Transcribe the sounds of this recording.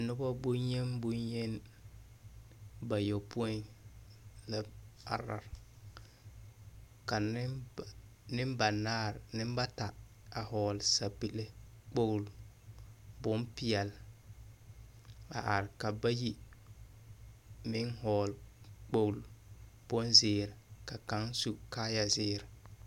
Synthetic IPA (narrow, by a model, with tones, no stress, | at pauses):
a˨nʊ˦ba˦bʊ˦ɲje˦nbʊ˦ɲɲe˦n | ba˨jo˨pu˦ɔ˦ | la˦a̰˨ɾa̰˨ɾ | ka˨n˦ | nɪ˦mba˨naː˦˨ɾnɪ˦m˦ba˦ta˨ | a˨hɔː˨lsa˨pi˨le˦k͡po˦wl | bʊ˦mpɪ˦ɛ˨l | a̰˨ʔa˨ɾɪ˨ka˨ba˦ji˦ | mɪ˦ŋhɔː˨lk͡po˦˨wlb̥ʊ˦nzɪː˨˦ɾɪ˨ka˨ka˨˦ŋsu˨kaː˦ja˦zɪː˦ɾɪ˨